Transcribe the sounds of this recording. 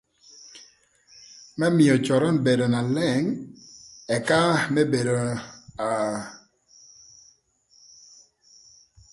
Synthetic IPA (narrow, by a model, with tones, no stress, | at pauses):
mɛ˦mɪ˨ɔ˨t͡ʃɔ˨ɾɔ˦nbe˨do˨na˨lɛ˦˨ŋ | ɛ˨ka˦mɛ˦be˨do˨a˨